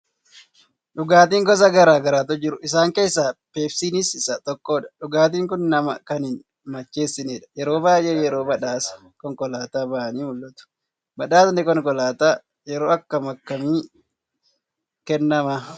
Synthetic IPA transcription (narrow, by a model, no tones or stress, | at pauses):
ᶑʊɡaːt̪̬iːŋɡɔsɐɡɐɾaːɡɐɾaːt̪ɔd͡ʒɪɾʊʔɪs̬aːŋke̞ːsːaːpe̞ːfsiːnɪsɪsɐt̪ɔkːoːᶑɐ̥ᶑʊɡaːt̪̬iːŋkʊnnɐmɐkɐnɪn | mɐt͡ʃːe̞ːsːɪneːᶑɐ̥jɛɾo̞ːbaːjʔeːjɛɾo̞ːmɐᶑaːsɐ̥ | kɔŋkɔlaːt̪aːbɐʔɐniːmʊlːɐt̪ʊ̥ | mɐᶑaːsnɛkɔŋkɔlaːt̪aː | jɛɾoːɐkːɐmɐkːɐmiː | kɛnːɐmaː